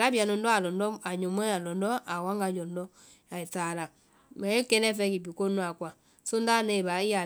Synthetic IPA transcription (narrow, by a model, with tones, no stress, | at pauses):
ɾa˦βja˨nɔ˨ndɔ˦a˨lɔ˨ndɔ˦a˨ɲo˨mɔ˦ja˨lɔ˨ndɔ˦ʔa˨wa˦ŋɡa˨ɲd͡ʒɔ˨ndɔ˦ | ja˨e˨ta˨ɾa˨ | ma˨e˦ke˦nɛ˦fɛ˦ki˨pi˨ko˦nwa˨kwa˨ | so˦nda˦ne˨βa˨i˦ja˨